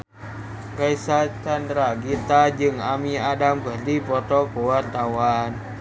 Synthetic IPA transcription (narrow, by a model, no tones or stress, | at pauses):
kaisat͡ʃandɾaɡit̪ad͡ʒɨŋamiadamkərdipɔt̪ɔkuwart̪awan